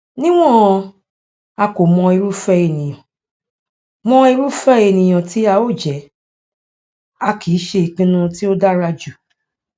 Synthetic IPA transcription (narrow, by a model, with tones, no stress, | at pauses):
nĩ˦w̃ɔ̃˦˨˦ | a˧ko˨mɔ̃˧ie˧ɾu˦fɛ˦e˨nĩ˨j̃ɔ̃˨ | mɔ̃˧e˧ɾu˦fɛ˦e˨nĩ˨j̃ɔ̃˨ti˨˦a˧o˦˨d͡ʒɛ˨˦ | a˧kʰi˨˦ʃe˧i˨k͡pĩ˦nũ˧ti˦o˦da˦ɾa˧d͡ʒu˨